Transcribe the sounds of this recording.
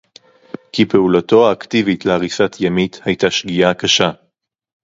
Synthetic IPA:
kipe̞ulato̞aːktivitleaʁisat̪ʰjamit̪hajtaʃɡiakaʃa

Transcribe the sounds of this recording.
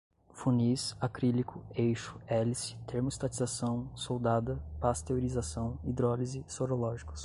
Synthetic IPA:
funisakɾilikʰʊejʃʊ̥ɛlisɪ̥t̪ʰeɾmʊist̪at͡ʃizasɐ̃w̃sowd̪ad̪ɐpast̪eoɾizasɐ̃w̃id̪ɾɔlizɪsoɾolɔʒikʊ̥s

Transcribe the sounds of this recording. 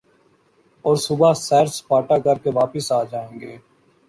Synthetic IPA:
ɔːɾsʊbasɛːɾspaːʈaːkəɾkeʋaːpəsaːd͡ʒaːẽːŋɡeː

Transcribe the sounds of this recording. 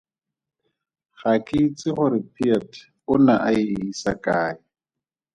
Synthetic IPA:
χakʼɪt͡sɪχʊɾɪpʰiatʰ | ʊnaʔaɪisa̰kʼaːɪ

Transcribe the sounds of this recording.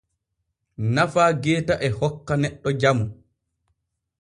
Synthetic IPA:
nafaːɡɛːtaʔɛhɔkːanɛɗːɔd͡ʒamu

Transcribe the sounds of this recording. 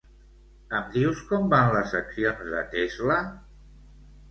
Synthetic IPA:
əmd̪iwskɔmbanləsːəksionzðə̰t̪ezlə

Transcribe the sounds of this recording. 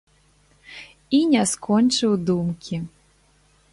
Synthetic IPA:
inʲɛskɔnʲt͡ʂɨwd̪umkʲi

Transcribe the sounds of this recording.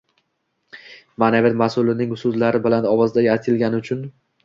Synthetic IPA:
manavɪt̪masʊlɪnɪŋʊsʊzlaɾɪbɪlanɒwɒzd̪ajʲat̪ʰɪlɡʲanɪʊt͡ʃʰʊn

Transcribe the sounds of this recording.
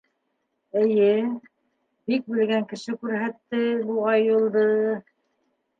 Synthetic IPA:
ɘ̆jɘ | bik̚bɘ̆lɡæŋkɘ̆ʃɘkʉɾɦæt̪ːɘbuɑjɤ̆lˠd̪ɤ

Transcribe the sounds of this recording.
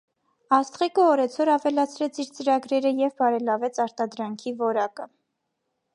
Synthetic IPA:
ɑst̪χikəɔɾɛt͡sʰɔɾɑvɛlɑt͡sʰɾɛt͡sʰiɾt͡səɾɑɡɾɛɾəjɛvbɑɾɛlɑvɛt͡sʰɑɾt̪ɑd̪ɾɑŋkʰivɔɾɑkə

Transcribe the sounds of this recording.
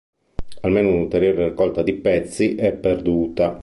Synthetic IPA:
almeːnounult̪eɾjoːɾerikːɔlt̪ad̪ipɛt̪sːiʔɛpːerd̪uːt̪a

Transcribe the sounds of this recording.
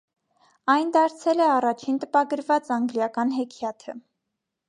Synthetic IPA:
ɑjnd̪ɑɾt͡sʰɛlɛɑrɑt͡ʃʰint̪əpɑɡəɾvɑt͡sɑŋɡljɑkɑnɦɛkʰjɑt̪ʰə

